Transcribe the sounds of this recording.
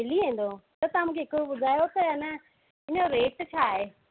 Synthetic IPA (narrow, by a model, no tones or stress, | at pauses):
ɪliẽːn̆d̪ot̪ɐt̪ɐãmũːkʰeɦɪkoɓʊd̪ʱaːjot̪ɐjanɐ | ɪnoɾeːʈt͡ɕʰaːɦeː